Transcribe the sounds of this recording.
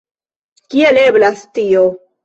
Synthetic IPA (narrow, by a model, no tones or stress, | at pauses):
kieleblastio